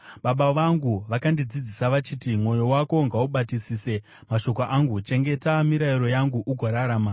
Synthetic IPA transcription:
ɓaɓaʋaŋɡuʋakandid͡zid͡zisaʋat͡ʃiːtimwo̞jo̞wako̞ŋɡauɓatisiːse̞ | maʃo̞k̬oʔaŋɡut͡ʃe̞ŋɡe̞tamiɾaiɾo̞jaŋɡuʔuɡʱoɾaɾaːma

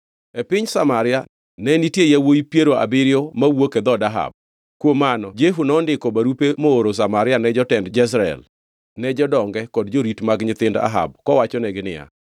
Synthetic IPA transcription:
epɪɲsamaɾɪa | nɛnitjejawojipjeɾoa̰bɪɾɪjomawoked̪ɔdaɦa̰b̚ | kwomanɔd͡ʒeɦunɔndɪkɔbaɾupemoːɾos̬amaɾɪanɛd͡ʒɔtɛndd͡ʒɛs̬ɾaɛ̰l | nɛd͡ʒɔdɔŋɡɛkɔdd͡ʒoɾitmaɡɲɪt̪ɪnda̰ɦa̰b̚kɔwat͡ʃɔnɛɡɪnɪja̰

